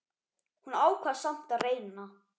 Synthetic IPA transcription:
hunaːwkʰvaːðsam̥t̪aðreːjnna

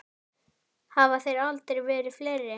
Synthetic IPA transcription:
havaθejɾalt̪eɾvɛːɾɪfleːjɾːɪ

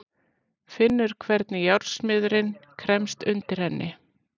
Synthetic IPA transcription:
fɪnːʏɾ̥kʰvɛɾt̪nɪjawɾsmɪðɾɪnkʰɾɛmst̪ʏnt̪ɪɾ̥hɛnːʔɪ

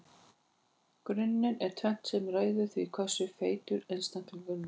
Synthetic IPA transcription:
kɾʏnːɪnɛɾ̥t̪ʰvɛn̥t̪sɛmraːjðʏθvikʰœsʏfeːjt̪ʏɾejnst̪ant̪ʏlvʏnnɪ

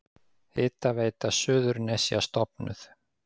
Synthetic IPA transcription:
ɪːt̪aveːjt̪asʏːðʏɾnɛsjast̪ɔpnʏ̰θ

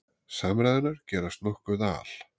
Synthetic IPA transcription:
samɾajðɪnaɾ̥cɛːɾast̪nɔhkʏða̰ːl̥

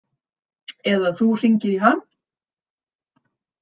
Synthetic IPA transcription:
ɛðaθur̥iɲcɪɾiɦanː

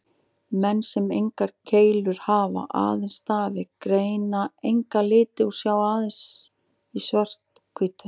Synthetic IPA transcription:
mɛnːsɛmejŋkaɾ̥cʰeːjlvʏɾ̥haːva̰ʔa̰ːðɪnst̪aːvɪkɾeːjnaejŋkalɪːt̪ɪu̥sjaːwaðɪns | isvar̥t̪ | kʰʏːt̪ʏ

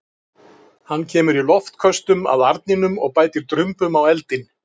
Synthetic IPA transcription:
hanːcʰɛːmʏɾilɔft̪kʰœst̪ʏma̰ðaɾt̪nɪnʏmɔ̰ɣpaːjt̪ɪɾ̥t̪ɾʏmpʏmawɛlt̪ɪn

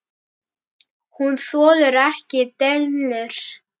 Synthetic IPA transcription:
hunθɔːlʏɾɛhcɪt̪ɛlnlʏɾ̥

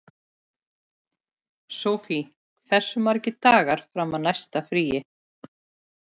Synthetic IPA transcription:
sowfi | fɛ̥sːʏmvaɾɛcːɪt̪aːɣaɾ̥fɾamaðnajst̪afɾiːjɪ

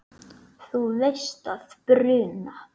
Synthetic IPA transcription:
θuvejst̪aθpɾʏːna

